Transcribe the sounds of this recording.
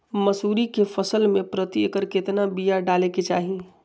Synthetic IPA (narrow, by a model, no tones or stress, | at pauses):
mɐsuːɾikefɐsəlmẽpɾət̪ikəɾkɪt̪nabijaɖaːleket͡ʃaːɦi